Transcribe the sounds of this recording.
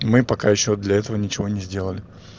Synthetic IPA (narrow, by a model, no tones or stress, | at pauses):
mɨpɐkajɪɕːod̪lʲɐɛt̪əvənʲɪt͡ɕɪvo̞nʲɪzʲdʲe̞lˠəlʲɪ